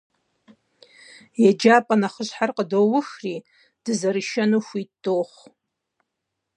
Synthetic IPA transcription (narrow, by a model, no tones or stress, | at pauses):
jad͡ʒapʼanaχəʃʷħarqʼədowʊʂri | d̥ɨzaɾɨʃanufʷitdʼoχʷ